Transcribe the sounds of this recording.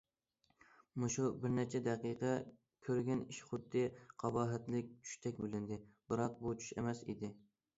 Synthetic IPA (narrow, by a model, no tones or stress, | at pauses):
muʃubɪɾnɛt͡ʃʰɛd̪æqiqɛ | kʲʰøɾɡʲɛniʃχʊd̪ːɪqʰɑbɑːɦɛt̪lɪk̚ʲt͡ʃʰy̥ʃt̪ʰɛkʲbylɪnd̪ɪb̥ɨɾɑq̚but͡ʃʰy̥ʃɪ̰mɛsḭd̪ɪ